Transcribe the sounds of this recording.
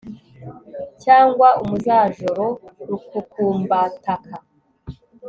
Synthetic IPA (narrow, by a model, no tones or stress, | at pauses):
caːŋɡwaumuzaːʒoɾoɾukukuːmbatakʰa